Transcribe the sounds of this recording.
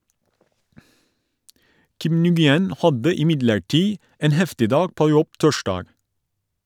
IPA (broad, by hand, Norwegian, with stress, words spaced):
ˈkɪm nʉɡɪˈɛn ˈhɑdə ɪˈmɪdləɹˌʈiː ˈeːn ˈhɛftɪ ˈdɑːɡ ˈpoː ˈjɔb ˈtɔˌʃɖɑːɡ